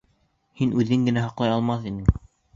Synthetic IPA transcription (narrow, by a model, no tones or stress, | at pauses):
hinʔʉðɘŋɡɘ̆næɦɑqlˠɑjɑlˠmɑθinɘŋ